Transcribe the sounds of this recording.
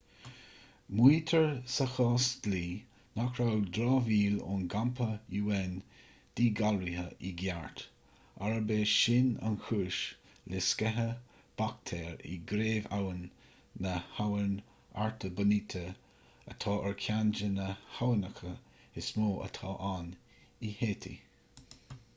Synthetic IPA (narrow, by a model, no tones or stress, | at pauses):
mwiːt̪ʰəɹsəxɑːsd̥liː | nakʰɾawd̪ɾɑːviːlʊ̰nɡampʰəjuːɛn | d̥iːɡalɾihəʔiɡjaɹt̪ | aɹəbeːʃɪna̰nxʰuːɹʃ | lɛskɛɦə | b̥akt̪ʰɛːɹḭɡɾeːva̰wənː | əhawən | a̰ɹt̪ʰəbənit̪ʰə | ə̰t̪ʰɑːʔəɹkʰjand͡ʒənəhawənəxə | ɪsmoːʔə̰t̪ʰɑːʔan | iheːt̪ʰḭ